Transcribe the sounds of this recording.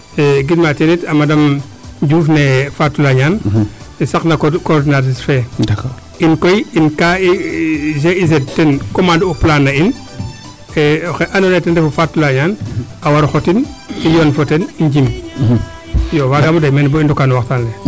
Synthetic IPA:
ɛɡidmatenitɐmadɐm | ɟuːfnefatːulaɲaːn | isaknakkɔɾdinaisfɛak | inkojinkaizeizedtɛnkomanduplanːɐin | ɛxeʔanonetɛndɛfufatːulaɲaːnawaɾxɔtinijɔnfoteniɲɟim | jowaɡamudajmɛnbɔindɔkanuwaxtanle

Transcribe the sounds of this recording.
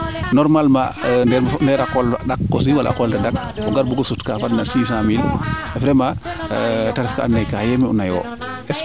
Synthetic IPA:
nɔɾmalma̰ndɛɾndɛɾakɔlaɗakːɔs̬iwala̰ʔkɔltadak̚ | ɔŋɡaɾbuɡɔsutkafadnasiːs̬ãmilɛfɾɛma | taɾɛfkaanːajkajɛmiṵnajɔ̰ː | ʔɛs

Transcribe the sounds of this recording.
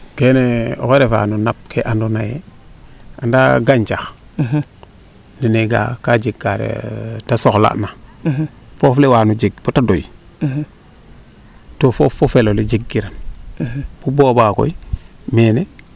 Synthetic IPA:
keneo̰keɾefa̰nunap̚kʰeʔandonajḛ | andaɡaɲt͡ʃax | nineɡa̰kad͡ʒeɡːaɾḛtasoxla̰ʔna | foflewaːnud͡ʒeɡ̚botadoj | tofofofeloled͡ʒeɡːiɾan | b̥ubobako̰imene

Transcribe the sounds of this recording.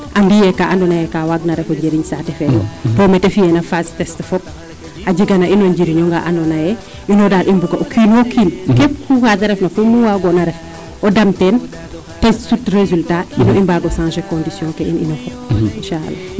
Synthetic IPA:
ʔambijɛkaʔandɔnajɛkawaɡnaɾɛfɔɲɟeɾiɲsatɛfɛdɔ̰tɔmɛtefijɛnafastɛstfɔp̚ | haɟiɡanaʔinɔɲd͡ʒiɾiɲɔŋɡa̰ʔandɔnajɛ | inɔdaːlʔimbuɡaʔokʰiːnokʰiːnkɛp̚kufasaɾɛfnafumuwaɡɔnaɾɛf | ɔdamtɛn | tɛssutrezultainɔimbaɡɔsãnʃɛkɔ̃ndisjɔ̃kɛʔḭnḭnɔfɔp̚inʃaa̰lːa̰

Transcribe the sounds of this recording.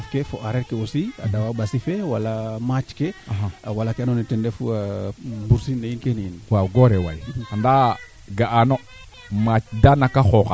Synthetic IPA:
fkefoʔaɾeɾkeosia̰dawabasifewalamat͡ʃkeɦaawalakeanonitɛndefṵabuɾsinːeinkeniinwaɡoɾewa̰janda | ɡaʔano | mat͡ʃdanakaxoxa

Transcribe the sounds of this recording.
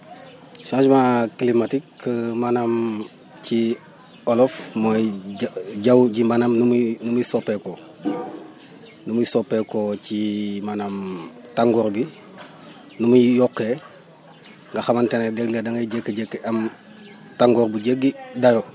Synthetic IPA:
sad͡ʒumaklimatikːmanam | t͡ʃi | olofmo | ɟawɟimbanamnumnumusopeko | numusopːekot͡ʃimanamtaŋɡoɾbi | numuijokːe | ŋɡaxamantenedeɡledaŋaɟekːeɟekːeʔam | taŋɡoːɾbuɟeɡidajo

